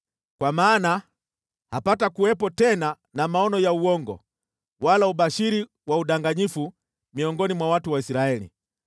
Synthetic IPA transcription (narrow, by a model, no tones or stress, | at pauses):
kwamaːna | hapatakuwɛpɔtɛna | namaɔnɔjauwɔŋɡɔ̰ | walauɓaʃiɾi | wauɗaŋɡaɲifu | miɔŋɡɔnimwawatuwaisiɾaɛlḭ